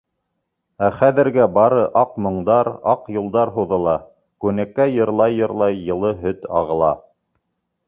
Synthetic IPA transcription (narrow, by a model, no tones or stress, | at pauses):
æχæðɘ̆ɾɡæbɑɾɤʔɑqmŏɴd̪ɑɾɑqjŏlˠd̪ɑɾɦuðɤ̆lˠɑ | kʉnækːæjɤ̆ɾlˠɑjːɤ̆ɾlˠɑjːɤ̆lˠɤɦɵt̪ɑ̰ʁɤ̆lˠɑ̰